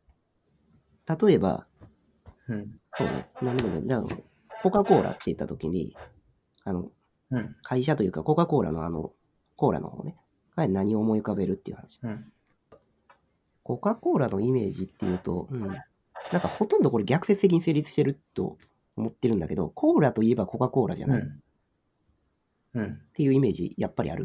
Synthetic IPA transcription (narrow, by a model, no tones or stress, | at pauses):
t̪at̪o̞e̞ba̰ | so̞ːnḛnãnːomḛd̪ano̰ | ko̞ːkako̞ːɾʔa̰t̪ːe̞jɯ̟t̪ːat̪o̞kʲiɲ̟ḭ | ano̞̰ | kʰaiɕ̬at̪o̞jɯ̟ːkako̞ːkako̞ːɾa̰no̞ano̰ | ko̞ːɾa̰nʔoho̞̰ːne | kanaɲ̟io̞ːmo̞ikabe̞ɾɯ̟t̪ːe̞iɯ̟hanaɕi̥ | ko̞kako̞ːɾano̞ime̞ːʑit̪ːe̞jɯ̟ːt̪o̞̰ɯ̟̃ɴ | nãŋkaho̞t̪õnd̪oko̞ɾeɡʲakɯ̟se̞t͡sɨ̥ek̬ʲiɲise̞ːɾʲit͡sɨ̥ɕt̪e̞ɾɯ̟t̪ːo̞̰ː | mo̞t̪ːe̞ɾɯ̟̃nd̪ake̞d̪o̞̰kʰo̞ːɾat̪o̞ie̞bako̞kako̞ːɾa̰ʑa̰nai | t̪ːe̞jɯ̟ime̞ːʑḭjapːaɾʲḭa̰ɾɯ̟